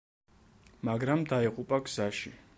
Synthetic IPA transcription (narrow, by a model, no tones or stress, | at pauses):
maɡɾamd̪aiqʼupʼaɡz̥aʃi